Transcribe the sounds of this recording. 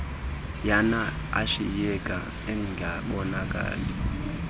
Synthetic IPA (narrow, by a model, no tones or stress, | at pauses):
jana | a̰ʃḭjɛkʼa̰ | ɛŋɡʱaɓɔnakʼa̰ːlɛ